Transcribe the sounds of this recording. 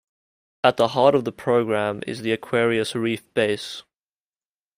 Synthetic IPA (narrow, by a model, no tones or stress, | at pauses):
ət̪̚ðəɦɑˑɾəvðəpʰɹ̥oʊɡɹæ̃mɪ̰zðiəkʰw̥ɛɹiəsɹiˑfb̥eɪs